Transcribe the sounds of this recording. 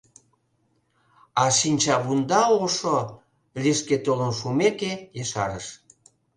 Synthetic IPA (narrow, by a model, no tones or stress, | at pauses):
ɑʃinʲt͡ɕɑβund̪ɑoʃo | liʃket̪olənʃumekejeʃɑɾəʃ